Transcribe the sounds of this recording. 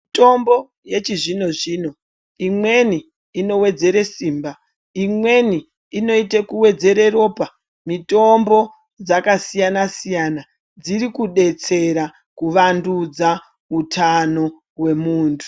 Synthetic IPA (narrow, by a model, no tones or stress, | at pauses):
mito̞mbo̞ | je̞t͡ʃiʐino̞ʐiːno̞ | imwe̞niː | no̞we̞d͡ze̞ɾe̞siːmba | imwe̞niː | no̞itekuwe̞d͡ze̞ɾe̞ro̞ːpa | mito̞mbo̞ | d͡zakasijanasijana | d͡ziɾikuɗe̞t͡se̞ɾa | kuʋandud͡za | utʰano̞ | we̞muːntʰu̥